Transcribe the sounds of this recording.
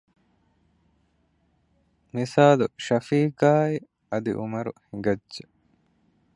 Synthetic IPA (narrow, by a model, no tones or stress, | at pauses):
nisaːluʃɐfiːɡaːi | ɐd̪ḭʔumɐɾṵhiŋɡɐdːe